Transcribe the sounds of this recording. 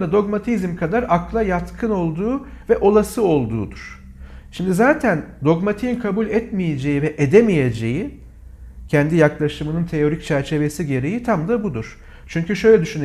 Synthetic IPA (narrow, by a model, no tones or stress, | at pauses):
d̪ad̪o̞ɡmat̪ʰizmkʰad̪aɾaklˠajat̪kʰɯno̞lˠd̪uːvɛʔo̞lˠasɯo̞lˠd̪ṵːd̪uɾ̥ | ʃimd̪izaːt̪ʰænd̪o̞ɡmat̪ʰiinkʰabulʲɛt̪mije̞d͡ʒe̞jivɛʔed̪emije̞d͡ʒe̞ji | cʰɛnd̪ijaklˠaʃɯmɯnɯnt̪ʰe̞o̞ɾic̚t͡ʃʰæɾt͡ʃʰe̞ve̞siɟe̞ɾe̞jit̪ʰamd̪abud̪uɾ̥ | t͡ʃʰyɲcyʃø̞jlʲɛd̪yʃyn